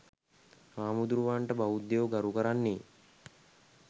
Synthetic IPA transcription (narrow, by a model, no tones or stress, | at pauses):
maːmud̪uɾuʋaːɳʈəbaud̪ːeʋoɡaɾukəɾanːe